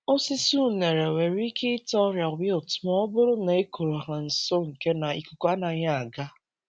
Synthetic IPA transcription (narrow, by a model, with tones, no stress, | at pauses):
o˦sɪ˦su˦u˦˨ne˨ɾe˨we˨ɾi˦kʰe˦ɪ˦tɔ˦ɾja˨wɪ˦ɔ˨tʊ̥˦mɔ˦bʊ˦ɾʊ˦na˨e˦kʰo˨ɾo˨a˨ɦa˨n̩˨so˦ŋ̩˨ke˦na˨ḭ˨ku˨ko˦a˦na˨ɲa˦a˨ɡa˦